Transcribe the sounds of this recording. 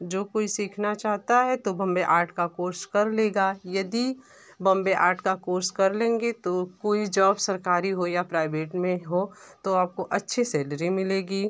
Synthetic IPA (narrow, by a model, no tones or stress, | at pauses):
d͡ʒoːkoːisiːkʰnat͡ʃaːɦt̪aɦɛt̪obɐ̃mbeʔaːɾʈʰkakoːɾskɐɾleːɡaːjɐd̪i | bɐ̃mbeʔa̰ːɾʈʰkakoːɾskɐɾlẽːŋɡet̪okoːid͡ʒɔːbsɐɾkaːɾiɦojapɾaːɪbeːʈmẽɦot̪oaːp̚koʔɐtːʃʰisɛːləɾimɪleːɡiː